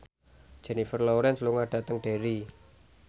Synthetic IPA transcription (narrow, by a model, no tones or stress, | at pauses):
d̥d͡ʒ̥ɛnifərlɔwɾɛnsluŋaɖ̥ä̤t̪əŋɖ̥eɾi